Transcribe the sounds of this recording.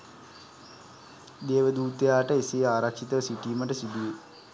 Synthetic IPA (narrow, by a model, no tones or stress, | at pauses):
d̪eːʋəd̪uːt̪əjaːʈəisijaːɾɐkʂit̪əʋsiʈiːmɐʈəsid̪uje